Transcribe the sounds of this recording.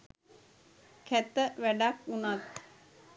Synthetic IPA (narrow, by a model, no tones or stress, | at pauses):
kʰæt̪əʋæɖakunat̪̚